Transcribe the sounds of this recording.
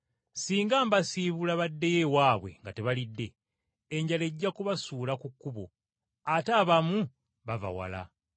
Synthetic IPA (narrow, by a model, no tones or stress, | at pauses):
siːŋɡaːmbasiβulaβadːe̞jewaːβwe̞̰ŋɡate̞βalidːeː | ɲɟale̞ɟːakuβasuːlakukːuβo̰ | ataːβamu | βava̰wa̰la̰